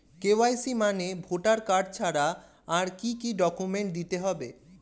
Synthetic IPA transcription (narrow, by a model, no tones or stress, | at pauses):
kewajsimanebʱoʈaɾkaɾɖ̚t͡ɕʰaɾa | aɾkikiɖɔkumeɳʈ̚d̪it̪eɦɔbe